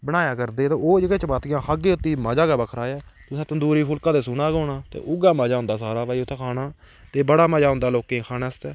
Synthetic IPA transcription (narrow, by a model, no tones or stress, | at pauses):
bəɽ̃aːjaːkəɾd̪eːt̪õːoːd͡ʒeɡẽːt͡ʃəpaːt̪ɪjãːkʰaːɡeːʊt̪ːiːmaːd͡ʒaːkaːbəkʰɾaːɛːt̪ʊsẽːt̪ənd̪uːɾiːpʰʊlkãːd̪eːsʊnaːɡoːnaːt̪ḛːʔʊɡaːmaːd͡ʒaːʊ̃nd̪aːs̬aːɾaːpaːiːʊt̪ʰːeːkʰaːnaː | t̪eːbəɽaːməd͡ʒaːɦʊ̃nd̪aːloːkẽːkʰaːnaːst̪ɛː